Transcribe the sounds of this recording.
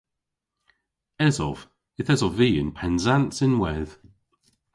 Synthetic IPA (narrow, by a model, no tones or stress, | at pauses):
ɛzɔ̰v̥ | ɪθɛzɔviːɪ̰npʰɛnzantsɪnwɛð̥